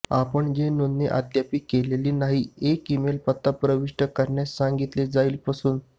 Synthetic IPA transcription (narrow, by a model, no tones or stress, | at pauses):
apəɳd͡ʑenonːeʔa̰t̪japiːkeleliːnaɦiekimelpət̪ːapɾəʋiʂʈəkəɾɳjasːaŋɡit̪led͡zaiːlpasuːn